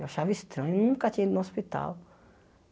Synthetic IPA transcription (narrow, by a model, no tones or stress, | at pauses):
ewaʃavist̪ɾɐ̃ɲʊenũŋkɐt̪ĩɲɐid̪nũospit̪a̰w